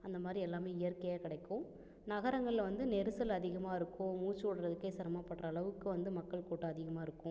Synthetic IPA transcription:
ɐnd̪ɐmaːd̪ɾiɛlːaːmeːɪjɐɾkɐjakɪɽɐɪkːʊ̃ | nɐɣɐɾɐŋɡɐɭɪlɐʋɐnd̪ɯnɛɾɯsɐlɐðɪɣɐmaːɪɾɯkːʊ̃muːt͡ʃːɔɽɐɾɐðɯkːɐɪsɐɾɐmaːpɐʈrɐːɭɐʋɯkːɯʋɐnd̪ɯmɐkːɐɭkoːʈːɐɐðɪɣɐmaːɪɾɯkːʊ̃

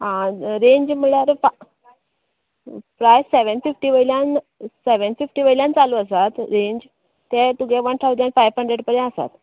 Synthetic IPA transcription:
ɦãɾẽɲd͡ʑm̤əɭjaɾfa | pɾajsːeʋənfifʈiːʋəiljãn | seʋənfifʈiːʋəiljãnt͡saluːəsat̪ɾẽɲd͡ʑ | t̪ːet̪uɡeʋəɳʈʰawd̪jãnfajʋɦʰəɳɖɾeɽpəɽẽəsa̰t̪

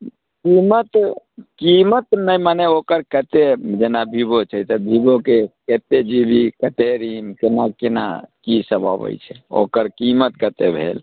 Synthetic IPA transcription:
kimət̪ | kimət̪nəjmaneokəɾkət̪ed͡ʒenabʱibot͡ʃʰəjt̪əbʱibokeket̪ed͡ʒibikət̪eɾimkenakena̰kisəbʱabə̰jt͡ʃʰɛ̥o̰kəɾkimət̪kət̪ebʱḛl

